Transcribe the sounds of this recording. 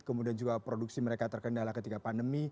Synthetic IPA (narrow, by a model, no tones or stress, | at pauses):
kəmudiand͡ʒuɡapɾoduk̚siməɾekat̪ərkəndalakət̪iɡapandəmi